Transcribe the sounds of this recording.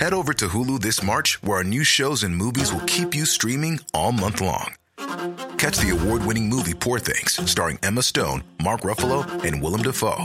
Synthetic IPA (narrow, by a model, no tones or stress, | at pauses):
hɛɾoʊvə˞ɾɨɦulˠuðɪsmɑɹt͡ʃwə˞ənjʉʃoʊzɨ̃nmuvizwəlˠkʰipjɨstɹ̥ĩmɪ̃ŋɔlˠmʌ̃nθlɔ̰̃ŋ | kʰæt͡ʃðiɨwɔɹd̚wɪ̃ñɪ̃ŋmuvipʰuɹθɪ̰̃ŋz̥stɑɹɪ̰̃ŋɛməstõʊ̃nmɑɹkɹʌfl̩ˠoʊɨ̃nwɪlˠə̃mdəfo̰ʊ